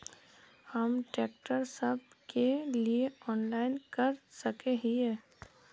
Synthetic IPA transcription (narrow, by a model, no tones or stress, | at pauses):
hɐmʈeːk̚ʈəɾsɐb̚kelieɔːnlaːɪnkɐɾsɐkeɦiɦɛ̃ː